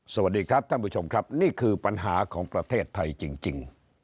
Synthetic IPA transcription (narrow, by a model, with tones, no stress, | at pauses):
sa˧˩wa˨˩t̚diː˧kʰɾa˦˥p̪̚ʰa˥˩pu˦˥˩t͡ɕʰo˧mkʰɾa˦˥p̚niː˥˩kʰɯː˧pa˧nɦaː˩˦kʰɔː˩˦ŋpɾa˧t̪ʰeː˥˩t̪ʰːa˧jt͡ɕi˧ŋt͡ɕi˧ŋ